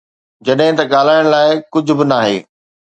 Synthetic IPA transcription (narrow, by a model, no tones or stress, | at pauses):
d͡ʑɐɗɦɪ̃t̪ɐɠaːl̤aːɪɽ̃laːɪkʊd͡ʑʱʊ̆bɪnaːɦḛː